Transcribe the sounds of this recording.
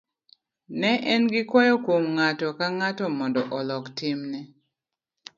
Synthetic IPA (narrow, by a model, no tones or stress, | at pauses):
nɛʔɛnɡɪkwɔjɔkwomŋatɔkaŋatɔmɔndɔʔɔlɔktɪmnɛ